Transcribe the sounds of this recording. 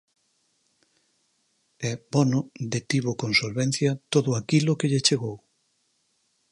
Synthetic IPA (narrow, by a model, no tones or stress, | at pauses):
ɛbɔnʊd̪et̪iβokonsolβɛn̟θjɐt̪oðʊakilʊkeʎet͡ʃeɣ̞ow